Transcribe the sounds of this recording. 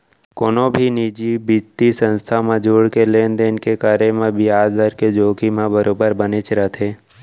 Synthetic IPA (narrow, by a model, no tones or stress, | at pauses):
koːnõbʱiniːd͡ʒibid͡ʒt̪isə̃nst̪ʰamẽd͡ʒuːɽkeleːnd̪eːnkekaɾemẽbʱiaːd͡ʒd̪əɾked͡ʒoːkimãbəɾoːbəɾbənɪt͡ʃɾət̪ʰeː